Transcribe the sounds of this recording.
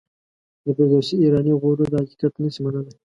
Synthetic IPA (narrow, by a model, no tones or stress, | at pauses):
d̪əbɪɾd̪oʃiːɾɑniɣoɾod̪əhaki̥kat̪nəsimanəlaj